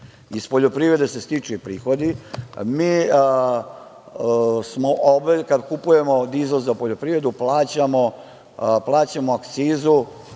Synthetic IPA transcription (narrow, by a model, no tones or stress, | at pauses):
ispo̞ʎo̞pɾiːvɾe̞d̪ese̞st̪it͡ʂupɾiːxo̞d̪imiː | smoʔobekad̪kupuje̞mod̪izozzapo̞ʎo̞pɾiːɾe̞d̪uplˠaːt͡ɕamo | plˠaːt͡ɕamoakt̪siːzu